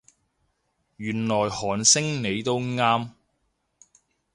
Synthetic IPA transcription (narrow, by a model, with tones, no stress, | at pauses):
ɥyː˨˩nlɔː˨˩jhɔː˨˩nsɪ˥ŋne˨˧jt̪o˥wŋaː˥m